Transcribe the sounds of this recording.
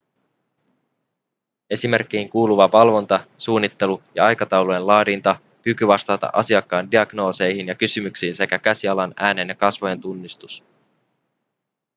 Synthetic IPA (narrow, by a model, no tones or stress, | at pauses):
e̞sime̞rk̟ːiiŋkuːluʋɑʋɑlʋo̞nt̪ɑsuːnːit̪ːe̞lujɑ̰ɑjkɑt̪ɑwlojenlɑːdint̪ɑ | kykyʋɑst̪ɑːt̪ɑ̰ʔɑ̰siɑkːɑːndiɑɡno̞ːse̞jɦinjɑkysymyksiːnse̞kækæsiɑlɑnæːne̞njɑkɑsʋoje̞nt̪unːist̪us